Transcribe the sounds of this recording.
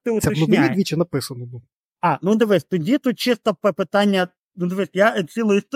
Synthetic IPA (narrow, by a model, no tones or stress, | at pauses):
t̪ɪʊɛnʊʋɪnʲid̪ʋʲit͡ʃɛnɐpɪsɐnɔb̪u | ɑnud̪eʋɪsʲt̪ɔdʲit̪ut̪̚t͡ʃɪst̪ɔpɛpɪt̪ɑnʲːɐ | nud̪ɪʋesʲjat͡sʲilˠɔjist̪